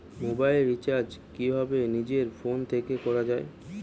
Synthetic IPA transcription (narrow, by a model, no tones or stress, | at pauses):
mobajlɾːit͡ɕaɾd͡ʑkibʱɔbenid͡ʑeɾfont̪ʰekekɔɾad͡ʑae